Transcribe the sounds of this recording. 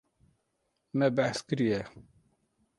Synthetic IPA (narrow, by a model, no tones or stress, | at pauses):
mɛbæħskɨɾijɛ